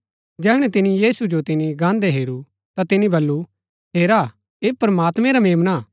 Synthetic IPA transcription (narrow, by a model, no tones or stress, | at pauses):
d͡ʒɛːɦɽ̃ɛ̃t̪ɪnĩjiːsud͡ʒot̪ɪnĩɡãːnd̪eɦeːɾu | t̪at̪ɪnĩbɐlːu | ɦeːɾa | eːpɾɐmaːt̪mɛ̃ɾameːmna